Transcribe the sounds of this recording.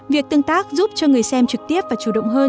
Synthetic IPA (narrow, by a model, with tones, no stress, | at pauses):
vi˨˩ək̚t̪ɨ˧əŋt̪aː˦˥k̚zu˦˥p̚t͡ɕɔ˧ŋɨ˨˩əjsɛ˧mt͡ɕɨ˨˩k̚t̪i˦˥əp̚vaː˨˩t͡ɕu˧˩ɗə̰˧˨wŋ͡mɦəː˧n